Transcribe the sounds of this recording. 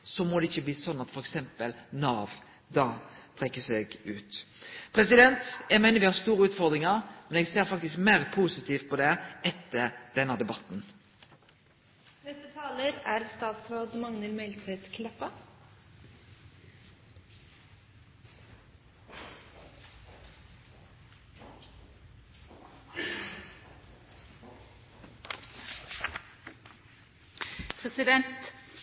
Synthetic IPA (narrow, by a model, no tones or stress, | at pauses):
sɔmɔd̪ɛɪçːəbliːsɔnːɑt̪fɔɾɛksɛmpəlnɑːʋ | d̪ɑːt̪ʰʁɛkːəsɛɡʉːt̪pʰʁɛsɪd̪ɛnt̪jæɡmæɪnəɾʋɪhɑɾst̪uːɾəʉːt̪fɔʁd̪ʁɪŋəʁmɛnɛɡseːʁɾfɑk̚t̪ɪskmeːʁpʰuːsɪt̪ʰiːft̪̚pʰɔd̪ɛʔɛt̪ːəɾd̪̥ɛnːəd̪ɛbɑt̪n | nɛst̪ət̪ʰɑːləɾæɾst̪ɑːd̪sɾod̪mɑŋnəlmɛɪlt̪ʰɛt̪skʰlɛpə | pʰʁɛsɪd̪ɛnt̪